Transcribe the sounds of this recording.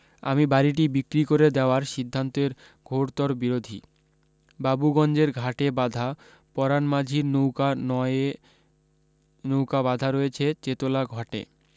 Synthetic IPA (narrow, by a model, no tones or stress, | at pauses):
a̰mibaɾiʈ̬ibikɾikoɾed̪eoaɾʃid̪ʱːant̪eɾ | ɡʱoɾt̪ɔɾbiɾod̪ʱḭ | babuɡɔnd͡ʑeɾɡʱaʈebad̪ʱa | pɔɾanmad͡ʑʱiɾnowanɔ | nowkabad̪ʱaɾɔjet͡ɕʰet͡ɕet̪olaɡʱɔʈḛ